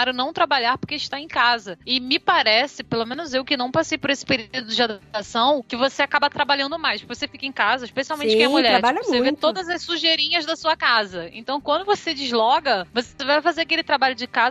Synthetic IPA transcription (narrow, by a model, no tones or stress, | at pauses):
aɾʊnɐ̃w̃t̪ɾabaʎaɾpoɾkeɪʃt̪aẽj̃kazɐɪmɪpaɾɛsɪpelomẽnʊzewkɪnɐ̃w̃pasejpʊɾesɪ̥peɾud̪ʊd͡ʒɪad̪apt̪asɐ̃w̃kɪvoseakabɐt̪ɾabalʎɐ̃nd̪ʊmajspoɾkevosefikɐẽkazɐiʃpesiawmẽt͡ʃɪkẽɛmuʎɛɾɾabaʎosevet̪od̪ɐzɐssuʒeɾĩɲɐzd̪ɐsuɐkazɐḛ̃t̪ɐ̃w̃kwɐ̃nd̪ʊvosed͡ʒɪzlɔɡɐvosevajfazeɾakelɪt̪ɾabaʎʊd͡ʒɪkaz